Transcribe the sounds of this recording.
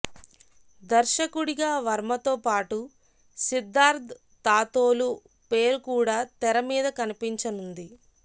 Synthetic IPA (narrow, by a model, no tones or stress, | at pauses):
d̪ɐɾʃɐkuɽiɡaːʋɐɾmɐt̪oːpaːʈu | sid̪ːaːɾd̪ | t̪aːt̪o̞ːlu | peːɾukuːɽaːt̪ɛɾɐmiːd̪ɐkɐnipiɲt͡ʃɐnund̪i